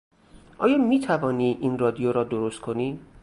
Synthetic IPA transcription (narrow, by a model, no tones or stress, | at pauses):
ʔɒːjɒːmiːt̪ʰævɒːniːʔinrɒːd̪ijoɾɒːd̪oɾost̪̚kʰo̞niː